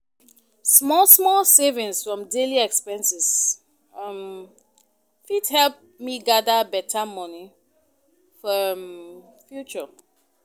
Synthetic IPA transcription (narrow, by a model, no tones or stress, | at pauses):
smɔlsmɔlsevĩnsfɹɔ̃mdeliɛkspɛ̃nsis | m | fidhɛlp̚ | miɡadabɛtʰamɔni | fɔ | fjut͡ʃə